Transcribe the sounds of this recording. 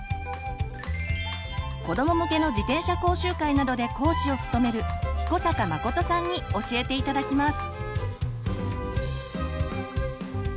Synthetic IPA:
ko̞d̪o̞mo̞mɯ̟ke̞no̞d͡ʑit̪ẽ̞ɰ̃ɕako̞ːɕɨːkainad̪o̞d̪e̞ko̞ːɕio̞ɸɯ̥t̪o̞me̞ɾɯ̟çi̥ko̞sakamako̞t̪o̞sãɲ̟ːio̞ɕie̞t̪e̞it̪ad̪akʲimasɨ̥

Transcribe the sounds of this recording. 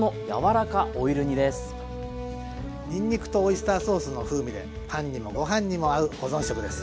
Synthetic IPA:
noja̰βaɾakaʔoiɾɯ̟ɲ̟id̪e̞sɨ̥ | ɲʲĩɲ̟ʲːikɯ̟̥t̪o̞ːisɨ̥t̪aːso̞ːsɨnoɸɯ̟ːmʲid̪e̞̰ | pãɲ̟ːimo̞ɡo̞ɦãɲ̟ːimo̞aɯ̟ɡo̞zõɰ̃ɕo̞kɯ̟d̪esɨ̥

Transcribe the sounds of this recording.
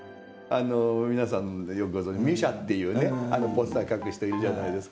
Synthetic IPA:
anomʲinasãnjokɯɡo̞zõɲd͡ʑimʲiɕat̪ːe̞jɯ̟ːne̞ano̞po̞sɨ̥t̪akakɯ̟ɕi̥t̪eiɾɯ̟ʑanaid̪e̞sɨ̥ka

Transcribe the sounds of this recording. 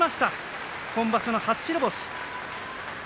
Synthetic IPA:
maɕi̥t̪a | kõ̞mbaɕonohat͡sɨ̥ɕiɾɯboɕi̥

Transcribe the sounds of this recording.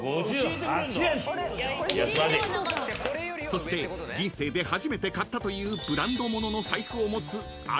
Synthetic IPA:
jasade | so̞ɕi̥t̪e̞ | d͡ʑĩɰ̃se̞ːd̪e̞haʑime̞t̪e̞kat̪ːat̪o̞jɯ̟ːbɯ̟ɾãnd̪o̞mo̞no̞no̞saikɯomo̞t͡sɨ | a

